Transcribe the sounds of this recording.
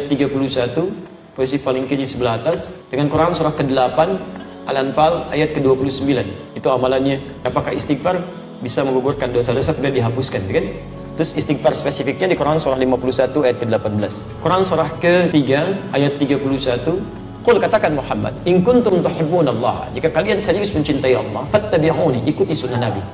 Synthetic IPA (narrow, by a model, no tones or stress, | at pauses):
ajat̪ːiɡapulusat̪u | poisipalɪŋkiɲisəbəlahat̪asdəŋankuɾansuɾahkədəlapan | ʔa̰lanfala̰jat̪̚kəduapulusəmbilan | it̪uamalanɲa | apakahḭst̪ik̚far | bisaməŋɡuɡʊrkanduasadasat̪əbiaʔdiɦapʊskant̪ukan | t̪ɾʊsist̪ik̚farspɛsifɪk̚ɲadikuɾaansuɾahlimapulusat̪uajat̪̚kədəlapanbəlas | kuɾansuɾahkət̪iɡaʔajat̪ːiɡapulusat̪u | qʊlkat̪akanmuħamːa̰d̪̚ɪŋkʊnt̪ʊmt̪uħɪbːunlˤːɑ̰ha̰d͡ʒikakaliansaɾiɡʊsməɲt͡ʃint̪aiʔɑ̰lːɑhfat̪ːabiʕuːniʔikut̪isunːahnabi